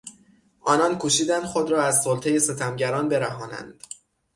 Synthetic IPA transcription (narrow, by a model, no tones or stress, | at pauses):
ʔɒːnɒnkʰuːʃiːd̪ænd̪̥xod̪ɾɒːæzsolt̪ʰeje̞se̞t̪ʰæmɟæɾɒːnbe̞ɾæɦɒːnæ̰nd̪̥